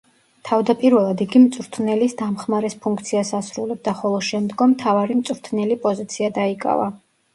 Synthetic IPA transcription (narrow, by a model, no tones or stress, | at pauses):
t̪ʰavd̪apʼiɾvɛlˠad̪iɡimt̪sʼuɾt̪ʰnɛlisd̪amχmaɾɛspʰuŋkʰt̪sʰiasasɾulɛb̚d̪aχɔlˠɔʃɛmd̪ɡɔmːt̪ʰavaɾimt̪sʼɾt̪ʰnɛlipʼɔzit̪sʰiad̪aikʼa̰va